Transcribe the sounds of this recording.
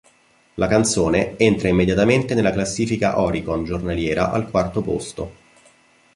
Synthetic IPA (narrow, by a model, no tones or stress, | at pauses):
lʔakant̪soːneent̪ɾaimːed̪jat̪ament̪enelːaklasːiːfika̰ʔɔɾikond͡ʒornaljɛːɾa̰ʔa̰lkwart̪opo̰st̪o